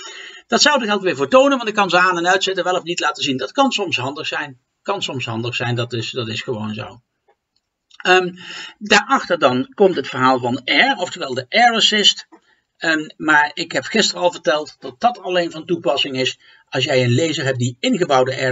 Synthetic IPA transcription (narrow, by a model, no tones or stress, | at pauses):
d̥ɑtsʌwdəχɛlˠtʋɪːɹvoːɹtownənʋɑntɪkːɑnzəaːnɛnœɥtsɪtənʋɛlɔfnitlaːtəzindɑtkɑnsɔmsɦɑndəχsɛjn | kɑnsɔmsɦɑndəχsɛjndɑtɪsd̥ɑtɪsχəʋownzo̰w | əmdaːɹɑχtəɹdɑnkɔmtɦətfəɹɦaːlˠvɑnɛɹɔftəʋɛlˠdəʔɛɹəsɪst | maːɹɪkɦɛpχɪstərəɑlˠvəɹtɛlˠtd̥ɑt̚d̥ɑtɑlejnvɑntupɑsɪŋɪs | ɑlˠs̬jɛjənlejzəɹɦɛp̚diɪnχəbɑwdəʔɛ